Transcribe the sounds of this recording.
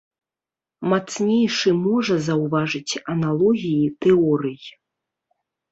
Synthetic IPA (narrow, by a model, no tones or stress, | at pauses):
mat̪snʲejʂɨmɔʐɐzɐwvaʐɨt͡sʲɐnalˠɔɣʲijit̪ɛɔɾɨj